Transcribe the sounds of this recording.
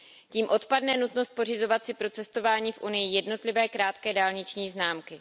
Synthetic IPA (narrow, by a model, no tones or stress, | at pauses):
ciːmʔo̞t̪padnɛnut̪no̞st̪̚po̞rɪzo̞vat̪sɪpɾo̞t͡sɛst̪o̞vaːɲiːfʔunɪjɪjɛdno̞t̪lɪvɛːkɾaːt̪kɛːdaːlɲɪt͡ʃɲiːznaːmkɪ